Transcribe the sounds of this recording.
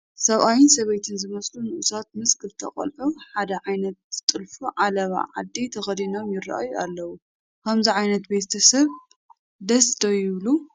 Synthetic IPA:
sɐβʔajɪnsɐβɐjt̪ʰɨnzɨmɐslunɨʔusat̪̚mɨskʰɨlt̪ʰɐ̰kʼɐ̰lħomħad̪ɐʕajnɐt̪t̪ʼɨlfuʕalɐβa̰ʕa̰d̪ːit̪ʰɐxɐd̪inomjɪrːa̰ʔjualːɐwu | kʰɐmziʕajnɐt̪be̞t̪ʰɐsɐβ | d̪ɐsd̪ojɪβlu

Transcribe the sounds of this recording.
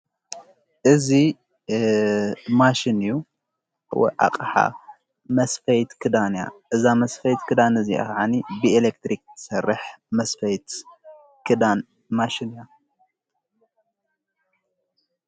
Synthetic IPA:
ʔɨzi | maʃinju | w̰ʕa̰qʼħa̰ | mɐsfɐjt̪kʰɨd̪anja̰ʔɨzamɐsfɐjt̪kʰɨd̪anɨzia̰ʕanibielekt̪ɾikt̪ʰɨ̥sɐrːɨħmɐsfɐjt̪ | kdan | maʃinja

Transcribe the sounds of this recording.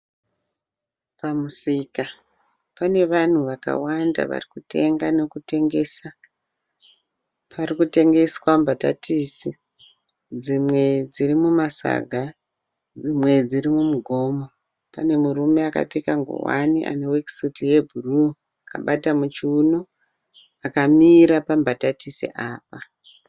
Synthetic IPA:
pamusika | pane̞ʋan̤uʋaka̰wanda̰ʋa̰rikute̞ŋɡano̞kute̞ŋɡe̞sa | pʰarikute̞ŋɡe̞swambata̰tʰisi | d͡zimwe̞d͡zirimumasa̰ɡʱa | d͡zimwe̞d͡zirimumuɡʱo̞ːmo | pane̞murume̞aka̰tikaŋɡo̰wa̰niʔa̰ne̞wekisitije̞bʱuru | aka̰ɓatamut͡ʃiuno | akamiːɾapambatatisḛʔaːp̚a

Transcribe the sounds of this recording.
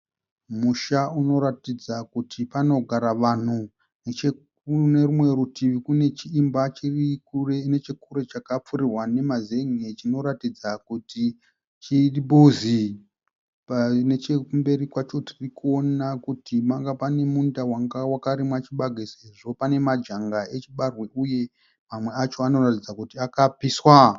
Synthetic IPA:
muʃauno̞ɾatid͡zakutʰipano̞ɡʱaɾaʋan̤u | net͡ʃe | une̞rumwe̞ɾutʰiʋikune̞t͡ʃiːmbat͡ʃirikurene̞t͡ʃekuɾe̞t͡ʃakap͡fuɾirwane̞maze̞ŋet͡ʃino̞ɾatid͡zakuti | t͡ʃiribozi | pane̞t͡ʃekumbe̞ɾikwat͡ʃo̞tirikuo̞nakutʰimaŋɡapane̞mundawaŋɡawakaɾimwat͡ʃiɓaɡʱeseʐo̞pane̞mad͡ʒaŋɡaet͡ʃiɓarweuje̞ | mamwe̞at͡ʃo̞ano̞ratid͡zakutiakapiswa

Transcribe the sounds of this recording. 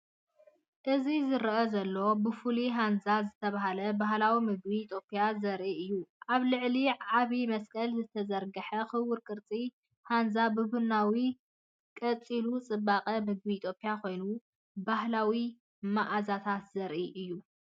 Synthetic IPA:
ʔɨzizɨɾʔozɐlːo̞bɨfuliɦanzazɨt̪ʰɐβaɦalɐbaɦlawimɨɡ̚bit̪ʰjo̞pʼijazɐɾʔiʔɨjːuʔaβlɨʕliʕaβimɐskʼɐlzɨt̪ʰɐzɐɾɡɐħɐxɨwːɨɾkʼɨɾt͡sʼi | hanzabɨbunawi | kʼɐt͡sʼilut͡sʼɨbːaqʼɐmɨɡ̚biːt̪ʰjo̞pʼijakʰo̞jnu | bahlawi | maʔazat̪ʰat̪zɐɾʔiʔɨjːu

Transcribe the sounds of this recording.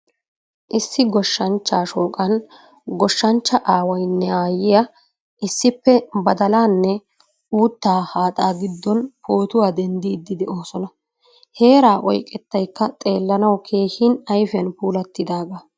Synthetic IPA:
ʔɪsːɪɡɔʃːɐnt͡ʃːaːʃoːkʼɐn | ɡɔʃːɐnt͡ʃːɐʔaːwɐjnːɛaːjːɪja | ʔɪsːɪpːɛbɐd̪ɐlaːnːɛ | uːt̪ːaːhaːt̪ʼaːɡɪd̪ːɔnpʰoːt̪ʊwaːd̪ɛnd̪iːd̪ːɪd̪ɛo̞ːsɔnɐ | he̞ːɾaːʔɔjkʼɛt̪ːɐjkːɐt̪ʼe̞ːlːɐnɐwkʰe̞ːhɪnɐjfɪjɐnpuːlɐt̪ːɪd̪aːɡɐ

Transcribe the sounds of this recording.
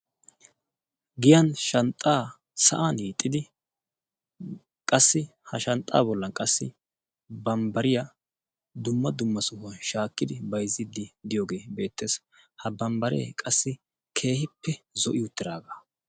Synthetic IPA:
ɡɪjɐnʃɐnt̪ʼːaː | sɐ̰ʔanhiːt̪ʼːɪd̪ɪ | kʼɐsːɪ | hɐʃɐnt̪ʼːa̰ːbɔlːɐnkʼɐsːɪ | bɐmbɐɾɪjɐ | d̪ʊmːɐd̪ʊmːɐsʊhɐnʃaːkːɪd̪ɪbɐjzːɪd̪ːɪd̪ɪjoːɡe̞ːbe̞ːt̪ːe̞ːs | hɐbɐmbɐɾḛːkʼɐsːɪ | kʰe̞ːhɪpːɛzɔʔɪʊt̪ːɪd̪aːɡa

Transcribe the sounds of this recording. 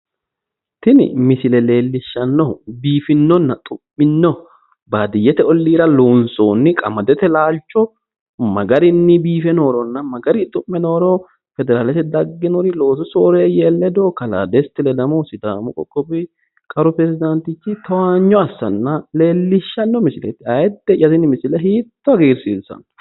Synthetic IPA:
t̪ɪnɪ̰mɪsɪlɛle̞ːlːɪʃːɐnːɔbiːfɪnːɔnːɐt̪ʼʊmːɪnːɔ | baːd̪ɪjːɛt̪ɛɔlːiːɾɐloːnsoːnːɪkʼɐmɐd̪ɛt̪ɛlaːlt͡ʃːɔ | mɐɡɐɾɪnːɪbiːfɛno̞ːɾɔnːɐmɐɡɐɾɪt̪ʼʊmːɛno̞ːɾɔ | fɛd̪ɛɾaːlɛt̪ɛd̪ɐɡːɪnɔɾɪlo̞ːs̬ɔsoːɾeːjɛːlːɛd̪oːkɐla̰ːd̪ɛst̪ːɪlɛd̪ɐmɔsɪd̪a̰ːmʊkʼɔkʼːɔbɪ | kʼɐɾʊpɾɛzɪd̪ɐnt̪ɪt͡ʃːɪt̪ɐwaːɲːɔɐsːɐ̰nːɐle̞ːlːɪʃːɐnːɔmɪsɪlɛ̰t̪ɪɐjɛd̪ːɛjɐzɪnɪmɪsɪlɛɦiːt̪ːɔɐɡeːɾsiːlsɐ̰n

